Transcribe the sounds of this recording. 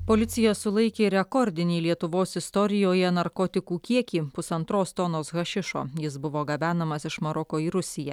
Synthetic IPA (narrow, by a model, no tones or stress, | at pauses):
poːlʲɪt̪sʲɪjosʊlˠɐɪkʲeːɾʲɛkɔɾʲd̪ʲɪnʲiːlʲiɛt̪ʊʋoːsɪst̪ɔɾʲɪjoːjɛnɐɾkɔːt̪ʲɪkuːkʲiɛkʲiːpʊsɐnt̪ɾoːst̪ɔnoːsɣɐʃʲɪʃo̰ːjɪsbʊʋoːɡɐbʲæːnɐmɐsɪʃmɐɾɔkoːiːɾʊsʲɪjɛ